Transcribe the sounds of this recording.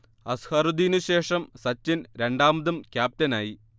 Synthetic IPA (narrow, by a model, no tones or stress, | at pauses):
ɐshɐɾud̪iːnuɕe̞ːʂɐmsɐt͡ɕːinɾe̞ɳɖaːmɐðumkʲjaːp̚tɐnaːji